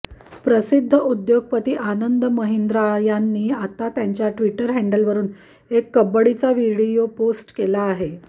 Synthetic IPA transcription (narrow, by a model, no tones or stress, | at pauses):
pɾəsid̪ʱːəud̪joɡ̚pət̪iːʔanənd̪əməɦend̪ɾajanːiːat̪at̪jaɲt͡ɕjaʈʋiʈəɾɦɛɳɖəlʋəɾuːn | ekːəbəɽit͡saʋiɽijoposʈkelaːɦe